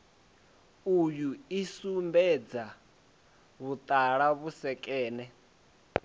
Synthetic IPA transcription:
ujuisumbɛd͡za | βut̪ʼaɺaβusɛkʼɛːnɛ

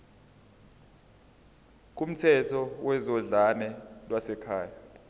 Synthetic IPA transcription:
k̬ʼum̩tʰɛtʰɔwɛzɔɮanɛlwasɛkʰaːja

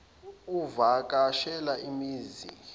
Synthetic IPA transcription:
uvak̬ʼaʃɛlaʔimiːzḭ

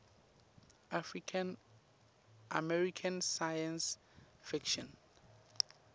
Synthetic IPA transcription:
afɹikʰãn | ʔa̰mɛɹikʰãnsajãns | fikʃɔ̃n

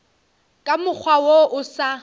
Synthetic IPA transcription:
kʼamʊk͡xʰwawoʔʊsa

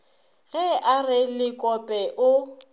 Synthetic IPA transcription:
ɣɛʔarɪlɪkʼɔpʼɛʔʊ

